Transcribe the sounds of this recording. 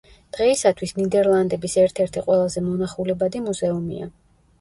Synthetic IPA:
d̪̥ʁɛisat̪ʰwisnid̪ɛɾlˠand̪ɛbisɛɾt̪ʰɛɾt̪ʰiqʼwɛlˠazɛmɔnaχulɛbad̪imuzɛumḭa̰

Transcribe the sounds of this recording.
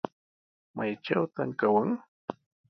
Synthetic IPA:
majt͡ʃawt̪aŋkawəŋ

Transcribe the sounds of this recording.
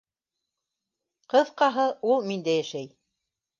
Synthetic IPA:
qɤ̆ðqɑɦɤulˠmind̪æjæʃæj

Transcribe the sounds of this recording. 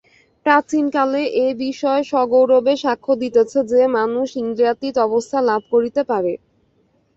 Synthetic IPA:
pɾat͡ɕinkaleʔebiʃɔeʃɔɡowɾobeʃakʰːod̪it̪et͡ɕʰed͡ʑemanuʃiŋɡ̪ɾiat̪it̪ɔbost̪ʰalabʱkoɾit̪epaɾe

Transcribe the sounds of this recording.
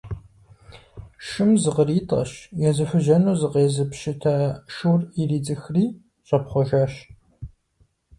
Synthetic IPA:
ʃɨmzɨqəriːtʼɐ̰ɕjɛzɨfʊʒɐnuːzɨqeːzɨpʃɪtʰaːʃuːririːd͡zɨxriː | ɕʷʼɐpχʷɔʒaːɕ

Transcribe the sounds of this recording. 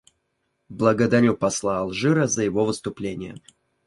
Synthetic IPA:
blˠəɡəd̪aɾʲupɐslˠaːlˠʐɨɾəzəjɪvovɨst̪ʊplʲenʲɪjə̰

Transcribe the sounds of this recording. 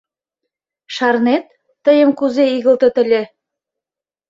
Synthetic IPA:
ʃaɾnet̪ː | ə̆jə̆mkuzeiɡə̆lˠt̪ə̆t̪ɘ̆lʲe

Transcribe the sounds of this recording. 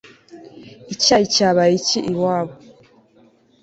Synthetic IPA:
icaicaβajiciʔiwaːβo

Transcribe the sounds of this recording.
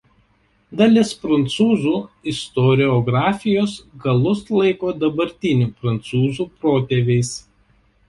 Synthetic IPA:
d̪ɐlʲɪspɾɐnt̪suːzuːɪst̪ɔɾʲɪɔɡɾɑːfʲɪjoːsɡɐlˠʊslˠɐɪkoːd̪ɐbɐɾʲt̪ʲɪnʲuːpɾɐnt̪suːzuːpɾoːt̪ʲeʋʲɛɪs

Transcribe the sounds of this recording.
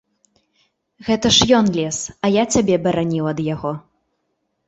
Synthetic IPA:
ɣɛt̪ɐʂjɔnlʲɛsɐjat͡sʲabʲɛbɐɾanʲiwɐd̪jaɣɔ

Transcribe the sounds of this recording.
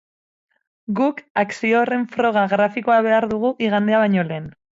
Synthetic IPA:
ɡukaksio̞re̞ɱfɾo̞ɣ̞aɣɾafiko̞aβ̞e̞aɾðuɣ̞uʔiɣand̪e̞aβajɲo̞le̞ːn

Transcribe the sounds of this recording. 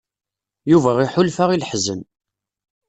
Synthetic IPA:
juvæiħʊlfaʁilħzən

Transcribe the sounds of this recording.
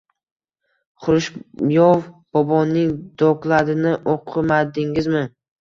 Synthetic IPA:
χʊɾɪʃjɒwb̥ɒbɒnːɪŋd̪ɒklˠaɾɪnɪʔoqʰɨmad̪ɪŋɪzmɪ

